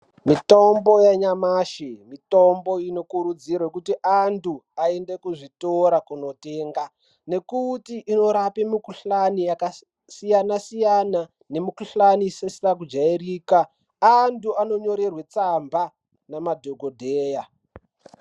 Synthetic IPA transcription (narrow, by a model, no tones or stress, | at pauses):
mitombo̞jaɲamaːʃimitombo̞ino̞kuɾud͡zirwekutiʔantʰuaendekuʐitoɾakuno̞te̞ːŋɡa | ne̞kutiʔːno̞ɾapemikuɬanijaka | sijanasijana | ne̞mukuɬanisesirak̬ud͡ʒairiːka | antuano̞ɲo̞ɾe̞rwe̞t͡samba | namadʱoɡʱodʱeːja